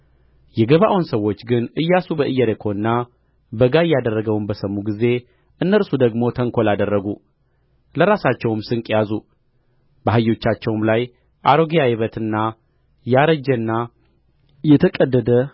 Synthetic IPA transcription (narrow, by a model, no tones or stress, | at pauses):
jɛɡəβaʔwunsəwːo̞t͡ʃːɡɨnʔɨjːasubəʔɨjːɛɾekʰo̞ɨnːa | bəɡajːad̪ərːəɡəwunbəsəmːuɡize̞ | ʔɨnːəɾsud̪əɡmo̞t̪ʰəŋkʰo̞lad̪ərːəɡu | ləɾasat͡ʃːɛwmsɨŋkʼjazu | bəɦajːo̞t͡ʃːat͡ʃːɛwmlaj | ʔaɾoɡijajɪβət̪ʰɨnːa | jaɾəd͡ʒːɛnːa | jɛt̪ʰəkʼəd̪ːəd̪ə